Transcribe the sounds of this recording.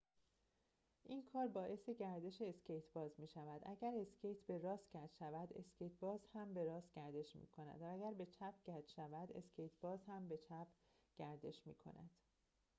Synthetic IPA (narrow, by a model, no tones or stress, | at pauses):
ʔiːnkʰɒːɾbɒːʔe̞se̞ɟæɾd̪e̞ʃeːscejt̪ʰbɒːzmiːʃævæd̪ʔæɟæɾe̞scʰejt̪ʰbe̞ɾɒːsɟæd̪ʃævæd̪e̞̰scʰejt̪ʰbɒːzhæmbe̞ɾɒːst̪ɟ̥æɾd̪e̞ʃmḭːkʰo̞næ̰d̪vææɡæɾbe̞t͡ʃʰæp̚ʰɟæd̪ʃævæd̪e̞̰scʰejt̪ʰbɒːzhæmbe̞t͡ʃʰæpʰ | ɟ̥æɾd̪e̞ʃmḭːkʰo̞̰næ̰d̪̥